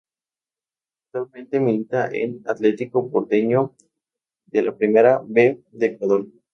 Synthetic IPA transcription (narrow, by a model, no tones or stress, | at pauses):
aak̚t̪walmẽnt̪emilit̪aʔḛnat̪let̪ikopoɾt̪eɲo | d̪elapɾimeɾabed̪ekwaðoɾ